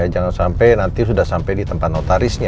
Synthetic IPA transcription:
ad͡ʒaŋansampajnant̪isudahsampajdit̪əmpat̪̚not̪aɾɪsɲa

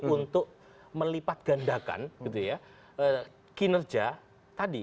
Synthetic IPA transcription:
unt̪ʊk̚ | məlipat̪̚ɡ̥andaka̰nɡ̥it̪uja | ə | kinərd͡ʒa | t̪adi

